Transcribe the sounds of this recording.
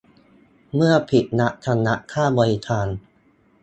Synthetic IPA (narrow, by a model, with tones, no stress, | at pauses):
mɯ˥˩ɐpʰi˨˩t̪̚na˦˥ʔt̪ʰa˧nːa˦˥ʔkʰaː˥˩bɔ˧ɾi˦˧k̪ʰaː˧n